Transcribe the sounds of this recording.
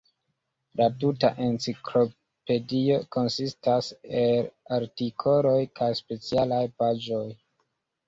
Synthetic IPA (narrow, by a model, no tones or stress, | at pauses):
latuta̰ʔe̞nt͡siklo̞ | pe̞dio̞ko̞nsistaselaɾtikʰo̞lo̞jkajspe̞t͡sialajpad͡ʒo̞j